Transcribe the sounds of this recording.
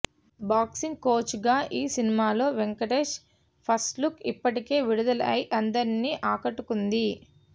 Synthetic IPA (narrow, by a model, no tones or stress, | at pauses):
baːksiŋɡ̚ko̞ːt͡ʃɡaːʔiːsinimaːlo̞ːʋeŋkɐʈeːʃ | pʰɐsʈlukipːɐʈike̞ːʋiɽud̪ɐlɐ̰jʔɐnd̪ɐɾinːiːʔaːkɐʈːukund̪i